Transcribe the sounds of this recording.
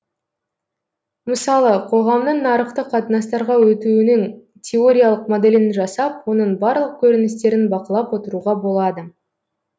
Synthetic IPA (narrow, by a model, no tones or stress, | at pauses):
məsɑlˠəqʰo̞ʁɑmnəɴnɑɾəqt̪əqʰɑt̪ənɑst̪ɑɾʁɑwɵt̪unɪŋ | tʲʰe̞o̞ɾʲijalˠəqmod̪e̞lɪnʒɑsɑp̚wo̞nəɴbɑɾlˠəq̚kʲʰɵɾɪnɪst̪e̞ɾɪnbɑqəlˠɑpwo̞t̪əɾuʁɑbo̞lˠɑd̪ə